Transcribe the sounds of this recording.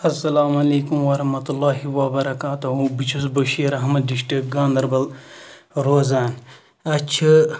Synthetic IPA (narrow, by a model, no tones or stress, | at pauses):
ɐsːɐlaːmɐleːkumwɐɾɐhmɐt̪ulːaːɦiwɐbɐɾɐkaːt̪uɦũbit͡ʃʰusbɐʃiːɾɐɦmɐd̪̚diʃʈiɡaːnd̪ɐɾbɐl | ɾoːzaːn | ɐt͡ʃʰɐ